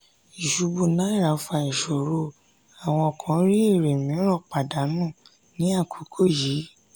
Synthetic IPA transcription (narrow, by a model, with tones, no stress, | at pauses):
i˨ʃu˨˧bu˧˨nã˨˦i˦˨ɾa˨˦˨fa˧i˨ʃo˨ɾo˧˨ | a˨w̃ɔ̃˧ɔ˨kʰã˨˦ɾi˦e˦˨ɾe˨mĩ˨˦ɾ̃ɔ̃˦˨k͡pa˨da˨˦nũ˦˨ | nĩ˦a˦˨kʰu˨˦kʰo˦˨ji˨˦